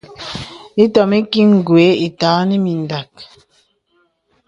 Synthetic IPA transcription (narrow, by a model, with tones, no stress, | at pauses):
i˦tɔ˨mi˦ki˦ŋ˨ɡwe˨˦i˨taː˨˦ni˦mi˨n˨da˨k̚